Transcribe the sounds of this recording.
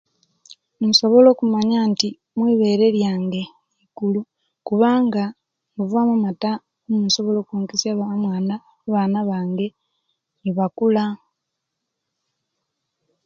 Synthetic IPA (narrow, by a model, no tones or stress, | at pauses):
nso̞βo̞lo̞ːkumaɲaːnti | mwiːβe̞ːɾe̞ɾjaːŋɡe̞ | iɡulu | kuβaːŋɡa | ŋuvuamumata | omuso̞βo̞lo̞ːkuːŋkisjaβamwaːna | βaːnaβaːŋɡe̞ | niβakula